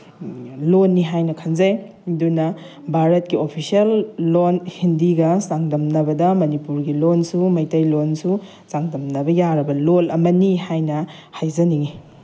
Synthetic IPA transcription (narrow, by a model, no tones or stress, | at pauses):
lonːiɦajnɐkʰɐnzɐj | dunɐ | bʱaɾɐt̚kiopʰisiɐlːonhindiɡɐsaŋdɐmnɐbɐdɐmɐnipuɾɡilonsumɐjtɐjlonsu | saŋdɐmnɐbɐjaɾɐbɐlolɐmɐnihajnɐ | hajzɐniŋi